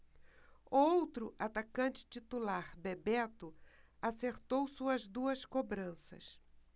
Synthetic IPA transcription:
ʊowt̪ɾʊʔat̪akɐ̃nt͡ʃɪ̥t͡ʃit̪ulaɾbebɛt̪ʊaseɾt̪owsuɐzd̪uɐskobɾɐ̃sɐ̰s

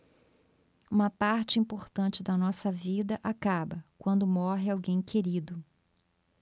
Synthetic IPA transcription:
ũmɐpaɾt͡ʃɪĩmpoɾt̪ɐ̃nt͡ʃɪd̪ɐnɔsɐvid̪ɐʔakabɐkwɐ̃nd̪ʊmɔɦɪawɡẽj̃kʰeɾid̪ʊ

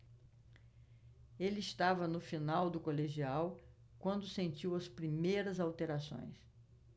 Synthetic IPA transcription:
elɪist̪avɐnʊfinawd̪ʊkoleʒiaw | kwɐ̃nd̪ʊsẽnt͡ʃiwɐspɾimejɾɐzawt̪eɾasõ̰j̃s

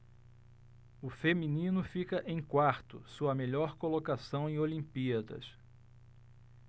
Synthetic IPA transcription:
ʊfemĩnĩnʊfikɐʔẽj̃kwaɾt̪ʊ̰suɐmeʎɔɾkolokasɐ̃w̃ẽj̃olĩmpiɐd̪ɐ̰s

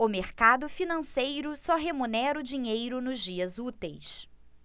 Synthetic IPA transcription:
ʊmeɾkad̪ʊfinɐ̃sejɾʊsɔɦemunɛɾʊd͡ʒiɲejɾʊnʊzd͡ʒiɐzut̪ejs

